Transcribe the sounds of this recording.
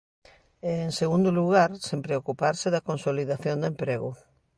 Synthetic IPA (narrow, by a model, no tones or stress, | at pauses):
eːŋseɣund̪ʊluɣaɾsempɾeokupaɾsɪðɐkonsoliðaθjond̪ʊempɾeɣʊ̰